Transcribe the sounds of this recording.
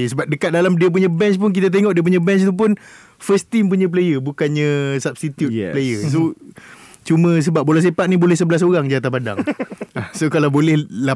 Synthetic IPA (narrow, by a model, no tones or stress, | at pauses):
səbap̚dəkat̪̚dalamdiəp̬uɲãbɛnt͡ʃpʊnk̬it̪̬at̪̬eŋɔʔdiəp̬uɲãbɛnt͡ʃit̪up̬ʊn | fəst̪impuɲãp̬lejəbukanɲãsab̚st̪it̪jut̪lejəso | t͡ʃumə̃s̬əbap̚bolas̬epat̪̚nibolɛhs̬əbəlas̬oɾaŋd͡ʒat̪̬apada̰ŋ | sokalabolɛhla